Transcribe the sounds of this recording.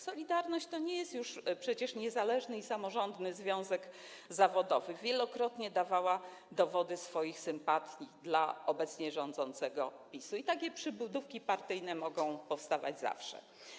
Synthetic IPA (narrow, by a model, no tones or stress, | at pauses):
sɔlʲid̪aɾnɔɕt͡ɕt̪ɔɲɛjɛst̪juʂpʂɛt͡ɕɛʂɲɛzalɛʐnɘisamɔʐɔnd̪nɘzvʲjɔ̃w̃zɛɡ | zavɔd̪ɔvɘvʲjɛlɔkɾɔt̪ɲɛd̪avawa | d̪ɔvɔd̪ɘsfɔjixsɘmpat̪ʲjid̪la̰ɔbɛt̪sɲɛʐɔnd̪zɔnt̪sɛɡɔ̰pʲisuit̪ak̬ʲɛpʂɘbud̪ufkʲipaɾt̪ɘjnɛmɔɡɔ̃w̃pɔfst̪ava̰d͡ʑza̰fʂɛ̰